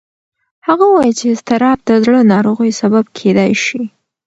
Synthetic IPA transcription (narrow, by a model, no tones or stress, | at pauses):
haɣawɑjit͡ʃeɪst̪ɪɾɑb̚d̪əzɽənɑɾoɣəjsababkʰed̪ajʃi